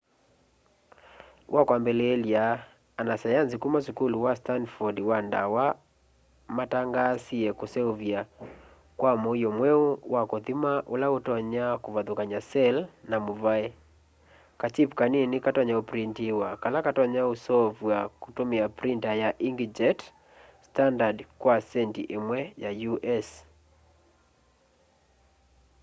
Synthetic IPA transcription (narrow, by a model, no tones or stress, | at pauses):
wʔakwambɛlɛːliaː | nasajansikumasukuluwastandfɔdwanda̰wa | mataŋɡasiɛkusɛuvja | kwamɔjɔmwɛuwakɔðimaʔulaotɔɲakuvaðukaɲasɛlnamuvaɛ | kat͡ʃipkaninɪkatɔɲaopɾintiwakalakatɔɲausɔvwakutomɪapɾintajaʔiŋɡid͡ʒɛt | standadkwasɛntiʔemwɛjajuʔɛs